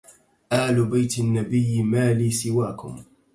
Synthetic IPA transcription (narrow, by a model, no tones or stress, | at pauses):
ʔaːlʊbajt̪nːabɪjːmaːliːsɪwaːkʊ̰m